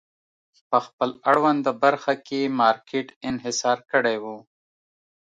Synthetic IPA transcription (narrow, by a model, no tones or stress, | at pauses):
pəxpəlaɽwand̪əbaɾxakemɑɾkʰeʈɪnɦɪsɑɾkəɽewu